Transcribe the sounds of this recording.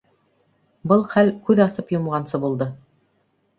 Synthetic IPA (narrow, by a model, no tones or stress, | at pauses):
bɤlˠχælkʉðɑsɤpjŏmʁɑnsɤbulˠd̪ɤ